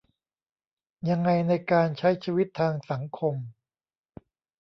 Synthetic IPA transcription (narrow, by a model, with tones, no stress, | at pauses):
ja˧ŋːa˧jna˧jkaː˧nt͡ɕʰa˦˥jt͡ɕʰiː˧wi˦˥t̪ʰːaː˧ŋsa˩˦ŋkʰo˧m